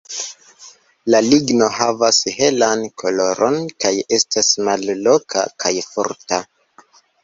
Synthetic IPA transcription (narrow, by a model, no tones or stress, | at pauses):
laliɡno̞ɦavashe̞lankʰo̞lo̞ɾo̞nkaje̞stasmalːo̞kʰa̰kʰajfoɾta